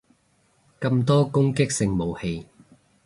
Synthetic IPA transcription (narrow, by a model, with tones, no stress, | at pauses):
kɐ˧mt̪ɔː˥kʊ˥ŋkɪ˥k̚sɪ˧ŋmo˨˩whe˧j